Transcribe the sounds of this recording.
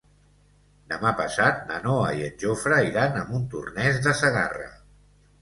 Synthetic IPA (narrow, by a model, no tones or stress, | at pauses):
d̪əmapəsat̪̚nə̰noəiənʲʒofɾəiɾanəmbunt̪ṵrnɛzðəsəɣa̰rə̰